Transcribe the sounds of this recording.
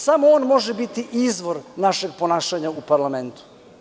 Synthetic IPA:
samooːnmo̞ʒebit̪iʔizʋo̞ɾnaʃe̞ɡ̚po̞naːʃaɲaupaɾlˠame̞nt̪u̥

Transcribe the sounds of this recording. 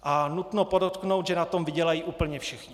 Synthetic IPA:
ʔanut̪nopodot̪kno̞wt̪ʒɛnat̪o̞mvɪɟɛlajiːʔuːpl̩ɲɛfʃɪxɲɪ

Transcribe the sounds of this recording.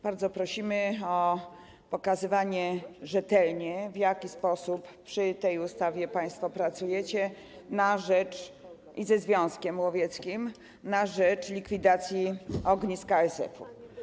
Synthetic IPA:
b̥aɾd̪zɔpɾɔɕimɘɔ | pɔkazɘvaɲɛʐɛt̪ɛlɲɛvjakʲispɔsuppʂɘt̪ɛjust̪avʲjɛpaj̃st̪fɔpɾat̪sujɛt͡ɕɛ | naʐɛt͡ʂ | izɛzvʲjɔ̃w̃skʲɛmwɔvʲjɛt̪skʲim | naʐɛt͡ʂlʲikfʲid̪at̪sʲjiɔɡɲiskaɛsɛ̰fṵ

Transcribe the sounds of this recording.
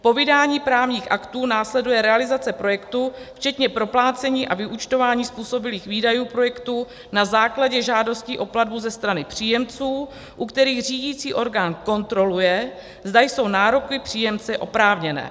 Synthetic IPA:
po̞vɪdaːɲiːpɾaːvɲiːxʔakt̪uːnaːslɛdujɛɾɛalɪzat͡sɛpɾo̞jɛkt̪uft͡ʃɛt̪ɲɛpɾo̞plaːt͡sɛɲiːʔavɪʔut͡ʃt̪o̞vaːɲiːspuːso̞bɪliːxviːdajuːpɾo̞jɛkt̪u | nazaːklaɟɛʒaːdo̞sciːʔo̞pladbuzɛst̪ɾanɪpr̝̥iːjɛmt͡suː | ʔukt̪ɛɾiːɣr̝iːɟiːt͡siːʔo̞ɾɡaːnko̞nt̪ɾo̞lujɛ | zdajso̞wnaːɾo̞kɪpr̥iːjɛmt͡sɛʔo̞pɾaːvɲɛnɛ̰ː

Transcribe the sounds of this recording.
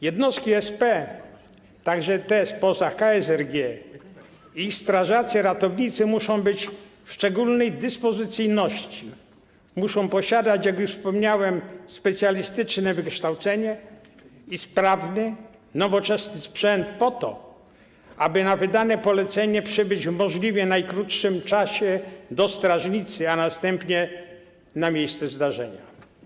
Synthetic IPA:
jɛd̪nɔst̪kʲiɛspɛ | t̪aɡʐɛt̪ɛspɔzakaɛsɛɾɡʲjɛ | ixst̪ɾaʐat̪sɛɾat̪ɔvɲit̪sɘmuʂɔ̃w̃bɘt͡ɕfʂt͡ʂɛɡulnɛjd̪ɘspɔzɘt̪sɘjnɔɕt͡ɕi | muʂɔ̃w̃pɔɕad̪at͡ɕjakjuʂfspɔmɲawɛmspɛt̪sʲjalʲist̪ɘt͡ʂnɛvɘkʂt̪awt̪sɛɲɛ | ispɾavnɪ | nɔvɔt͡ʂɛsnɘspʂɛnt̪̚pɔt̪ɔ | ʔabɘnavɘd̪anɛpɔlɛt̪sɛɲɛpʂɘbɘd͡ʑvmɔʐlʲivʲjɛnajkɾut̪ʂɘmt͡ʂaɕɛd̪ɔst̪ɾaʐɲit̪sɘanast̪ɛmpɲɛ | namʲjejst̪sɛzd̪aʐɛɲa

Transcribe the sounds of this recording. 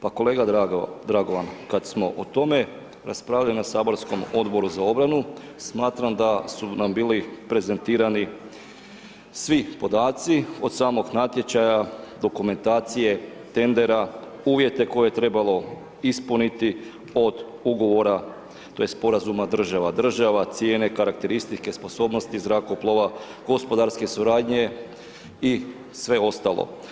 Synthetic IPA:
pako̞lˠe̞ːɡad̪ɾaɡo̞ʋankad̪smo̞ʔot̪o̞me̞ | ɾaspɾaːʎalinasaːbo̞ɾsko̞mo̞d̪bo̞ɾuzao̞bɾanu | smaːt̪ɾamd̪asunambiːlipɾe̞ze̞nt̪iːɾani | sʋipo̞d̪aːt̪sio̞d̪saːmo̞ɡnat̪je̞t͡ɕajad̪o̞kume̞nt̪aːt̪sije̞t̪e̞nd̪e̞ɾa | uːʋje̞t̪e̞ko̞jeet̪ɾe̞balˠo̞ | ispunit̪i | o̞d̪ | uɡo̞ʋo̞ɾa | t̪o̞jespo̞ɾazumad̪r̩ʒaʋad̪r̩ʒaʋat̪sjeːne̞kaɾak̚t̪e̞ɾist̪it͡ʃke̞spo̞so̞ːbno̞st̪izɾako̞plˠoʋa | ɡ̥o̞spo̞d̪aɾske̞suɾaːd̪ɲe̞ | i | sʋe̞o̞st̪alˠo̰

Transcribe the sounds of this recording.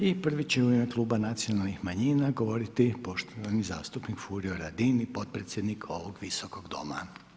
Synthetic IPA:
ipr̩ʋit͡ɕeuimeklˠuːbanat̪sio̞nalˠnixmaɲiːnaɡo̞ʋo̞ɾit̪ipo̞ʃt̪oʋaniza̰ːst̪upnikfuɾioɾad̪inipo̞t̪̚pɾet̪sje̞d̪nikʰo̞ʋoɡʋiso̞ko̞ɡd̪o̞̰ma̰

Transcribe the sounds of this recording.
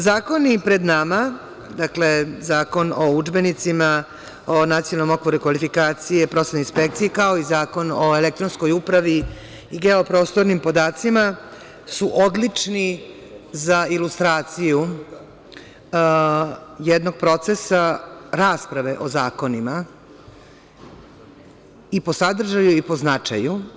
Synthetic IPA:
zaːko̞nipɾe̞d̪nama | d̪akle̞zaːko̞noud͡ʒbe̞nit̪sima | onat̪sijolno̞mo̞kʋo̞ɾuikʋalifikaːt̪sijepɾo̞senoinspek̚t̪sijikao̞izaːko̞noelek̚t̪ɾonskojupɾaʋi | iɡeo̞pɾo̞ːst̪o̞ɾnimpo̞d̪aːt̪sima | suʔod̪lit͡ʂni | zailust̪ɾaːt̪siju | jed̪no̞ɡ̚pɾo̞t̪sesaɾaːspɾaʋe̞ʔo̞zaːko̞nima | ipo̞sad̪r̩ʒajuipo̞znat͡ʂa̰ju

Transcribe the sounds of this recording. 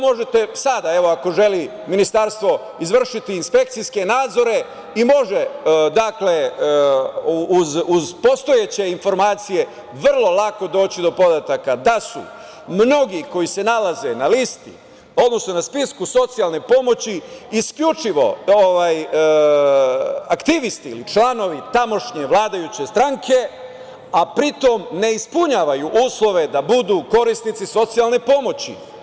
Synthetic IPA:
mo̞ʒet̪esad̪ae̞ʋo̞ako̞ʒe̞li | minist̪aɾst̪ʋo̞ | izʋr̩ʃit̪iːnspe̞k̚t̪siske̞naːd̪zo̞ɾe̞ | imo̞ʒed̪akle̞ | uzuzpo̞st̪o̞jet͡ɕe̞info̞ɾmaːt̪sije̞ | ʋr̩lˠo̞lˠako̞d̪o̞ːt͡ɕid̪o̞po̞d̪at̪akad̪asṵ | mno̞ɡiko̞jise̞nalaze̞nalist̪i | o̞d̪no̞sno̞naspiskuso̞t̪sijalˠne̞po̞mo̞t͡ɕiiskʎut͡ʂiʋo̞̰oʋaj | akt̪iʋist̪ḭːlit͡ʃlano̞ʋit̪amo̞ʃɲeʋlˠaːd̪ajut͡ɕe̞st̪ɾaŋkʰe̞ | apɾit̪o̞mne̞ispuɲaːʋajuʔuːslˠo̞ʋe̞d̪abud̪uːko̞ɾist̪nit̪siso̞t̪sijalˠne̞po̞mo̞t͡ɕḭ

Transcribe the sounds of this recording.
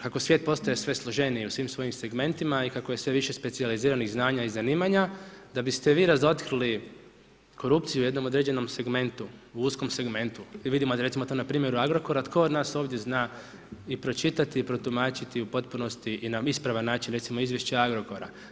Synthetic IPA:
kako̞sʋjet̪̚po̞st̪ojesʋe̞slˠoʒe̞niiusʋiːmsʋo̞jimse̞ɡme̞nt̪imaikakoje̞sʋe̞ʋiʃe̞spesializiːɾaniɣznaːɲaizaniːmaɲad̪abist̪eʋiːɾazo̞t̪kɾili | kʰo̞ɾup̚t̪sijujed̪no̞mo̞d̪ɾeːd͡ʑe̞no̞mse̞ɡme̞nt̪uuusko̞mse̞ɡme̞nt̪uʋid̪imoɾe̞t̪simot̪oːnapɾiːmje̞ɾuaɡɾo̞ko̞ɾat̪kʰo̞od̪naːso̞ːʋd̪ʲje̞znaː | ipɾo̞t͡ʃit̪at̪iːpɾo̞t̪umaːt͡ʃit̪iupo̞t̪̚puno̞st̪iʔinaispɾaʋanːaːt͡ʃinɾe̞t̪simo̞izʋje̞ʃt͡ɕeaɡɾo̞ko̞ɾa̰

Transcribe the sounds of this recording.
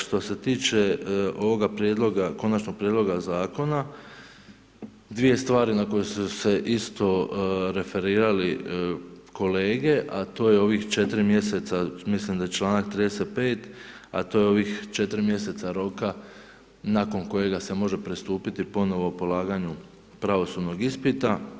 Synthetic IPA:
ʃt̪o̞se̞t̪iːt͡ʃe̞o̞ʋo̞ɡapɾjed̪lˠo̞ɡako̞nat͡ʃno̞ɡ̚pɾje̞d̪lo̞ɡazaːko̞na | d̪ʋije̞st̪ʋaːɾinako̞jesuse̞ʔist̪o̞ɾe̞fe̞ɾiːɾali | ko̞le̞ːɡe̞ʔat̪o̞ːjeo̞ʋixt͡ʃe̞t̪ɾimje̞se̞t̪samislimd̪ajet͡ʃlˠaːnakt̪ɾiːd̪eset̪̚pe̞ːt̪ | a̰t̪o̞ːjeo̞ʋixt͡ʃe̞t̪ɾimje̞se̞t̪saɾo̞ka | nako̞nko̞je̞ɡase̞mo̞ʒe̞pɾist̪uːpit̪ipo̞no̞ʋopo̞lˠaːɡaɲu | pɾaʋo̞sud̪no̞ɡispit̪a

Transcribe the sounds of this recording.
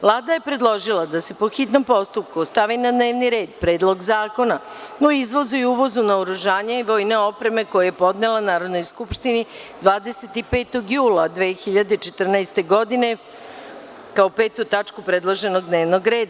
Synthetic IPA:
ʋlˠaːd̪aje̞pɾe̞d̪lˠo̞ʒilˠad̪ase̞po̞xit̪no̞mpo̞st̪up̚kust̪aʋinad̪neːʋniɾe̞ːd̪pɾe̞ːd̪lˠo̞ɡzaːko̞nanoizʋo̞zujuʋo̞zunaoɾuʒaːɲaiʋo̞jne̞o̞pɾe̞me̞ko̞jajepo̞d̪nelˠanaːɾod̪no̞jskupʃt̪inid̪ʋaːd̪e̞se̞t̪ipeːt̪o̞ɡjuːlˠad̪ʋe̞ːxiʎad̪eit͡ʃet̪r̩naest̪e̞ɡo̞d̪ine̞ | kaope̞ːt̪ut̪at͡ʂkupɾed̪lˠoʒe̞no̞ɡ̚d̪neːʋnoɡɾe̞ːd̪a

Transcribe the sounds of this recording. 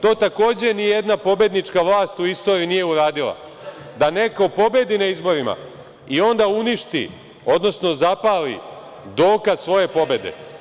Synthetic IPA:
t̪o̞ːt̪ako̞ːd͡ʑe̞nijjed̪napo̞bje̞d̪nit͡ʂkaʋlˠaːst̪uist̪o̞ːɾiinije̞uɾaːd̪ilˠa̰ | d̪ane̞kopo̞be̞d̪inaizbo̞ɾima̰ | io̞nd̪auniʃt̪ḭ | o̞d̪no̞sno̞zapaːlḭ | d̪o̞ːkazsʋo̞je̞po̞be̞d̪e̞̰

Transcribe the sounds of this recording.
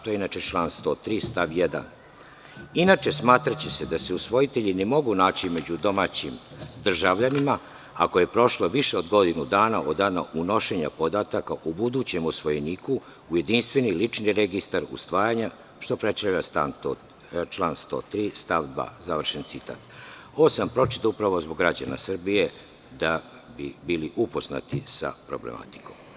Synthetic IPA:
t̪ojeinat͡ʃe̞t͡ʃlˠaːnst̪o̞ːt̪ɾiːst̪aʋjed̪a̰n | inat͡ʃe̞smaːt̪ɾat͡ɕesed̪aseusʋo̞jit̪eʎine̞mo̞ɡunaːt͡ɕime̞d͡ʑud̪o̞maːt͡ɕimd̪r̩ʒaʋʎanima | ako̞je̞pɾo̞ʃloʋiʃeo̞d̪ɡo̞d̪inud̪aːnaʔod̪aːna̰ʔuno̞ʃe̞ɲa̰po̞d̪aːt̪akaʔubud̪uːt͡ɕe̞musʋo̞jeniːkuː | je̞d̪inst̪ʋe̞nilit͡ʃniɾe̞ɡist̪aɾṵst̪ʋaːjaɲa | ʃt̪o̞pɾet̪saʋʎast̪a̰nto | t͡ʃlˠaːnst̪o̰t̪ɾiːst̪aʋd̪ʋa̰ːzaʋr̩ʃent̪sit̪a̰ːt̪osampɾo̞t͡ʃi̥t̪aupɾaʋo̞zboɡɾad͡ʑana̰sr̩bije̞ | d̪a | bibiliʔupo̞zna̰t̪isa̰pɾo̞̰blḛma̰t̪i̥koːm

